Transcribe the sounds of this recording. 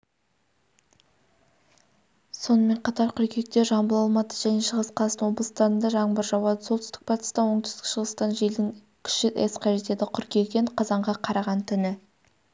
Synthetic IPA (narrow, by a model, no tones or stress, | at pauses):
so̞nəme̞ɴqʰɑt̪ɑɾqʲʰʏɾkʲe̞k̚t̪e̞ʒɑmbəlˠɑlˠmɑt̪ə̥ʒæne̞ʃəʁəsqʰɑlˠɑsənwo̞blˠəst̪ɑɾənd̪ɑʒɑɴbəɾʒɑwˠɑd̪əsot̪ʰʏst̪ɪ̥k̚pʰɑt̪ə̥st̪ɑwo̞ɴt̪ʏ̥st̪ɪkʃəʁəst̪ɑnʒe̞ld̪ɪŋ | kʲʰʏ̥ʃɪʔesqʰɑʒe̞t̪e̞d̪ɪqʰʏɾkʲe̞ɡʲeɴqʰɑzɑɴʁɑqʰɑɾɑʁɑnt̪ʰʏnɪ